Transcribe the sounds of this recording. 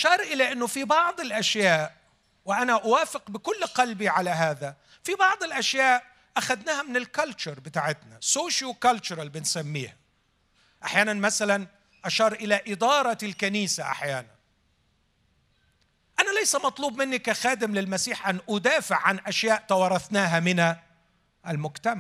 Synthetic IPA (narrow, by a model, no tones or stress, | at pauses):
ʔʃɑːɾˤʔɪlaʔɪnːʊfibɑʕd̪ˤɪlʔaʃjaːʔ | wɪʔanaʔawaːfɪqbɪkʊlːqɑlbiʕalaɦaːða | fibɑʕd̪ˤɪlʔaʃjaːʔ | ʔaxad̪naːhamɪnɪlkalt͡ʃʊɾˤbɪt̪aːʕɪt̪nasoːʃalkalt͡ʃʊɾˤalbɪnsamːḭːha | ʔaħjaːnanmasalan | ʔaʃɑːɾˤʔɪlaʔɪd̪ɑːɾˤɑlkaniːsaʔa̰ħjaːnan | ʔanalajsamɑt̪ˤluːbmɪnːikaxaːd̪ɪmlɪlmasiːħʔanːʔʊd̪aːfɪʕːanʔaʃjaːʔt̪ɑwɑɾˤɑθnaːɦamɪna | ʔalmʊkt̪amaʕ